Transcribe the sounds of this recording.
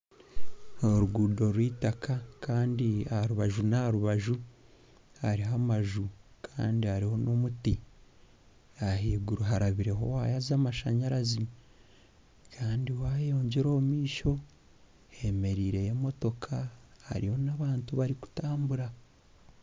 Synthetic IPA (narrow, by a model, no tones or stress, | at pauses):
oɾuɡuːdo̞ɾwiːtakʰakaːndiahaɾuβaʒunaaɾuβaʒu | haɾiɦamaʒukʰa̰ːndihaɾiho̞no̞muti | ahiːɡuɾuɦaɾaβiɾe̞ɦo̞̰waːjazamaʃa̰ɲaɾazi | kʰaːndiwaːjo̞ːɲɟeɾo̞ːmiːʃo̞ | he̞me̞ɾiːɾe̞jemo̞to̞kʰaha̰ɾiho̞naβaːntuβaɾiku̥taːmbuɾa